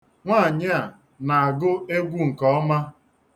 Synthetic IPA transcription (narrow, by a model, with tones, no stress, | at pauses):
ŋʷaː˦˨ɲɪ˦a˨ | na˨a˨ɡʊ˦e˦ɡʷu˦ŋ̩˨kɔ˦ɔ˦ma˦